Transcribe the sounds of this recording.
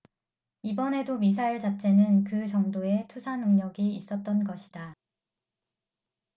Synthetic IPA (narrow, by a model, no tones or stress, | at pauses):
ibʌne̞domis̬ʰaiɭt͡ɕat͡ɕʰe̞nɯnkɯt͡ɕʌŋdoe̞tʰusʰanɯŋɲʌɡiːs͈ʌt̚t͈ʌnɡʌɕʰida